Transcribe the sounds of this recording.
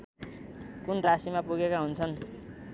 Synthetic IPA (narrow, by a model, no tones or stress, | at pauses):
kunrasimapuɡekaɦunt͡sʰʌn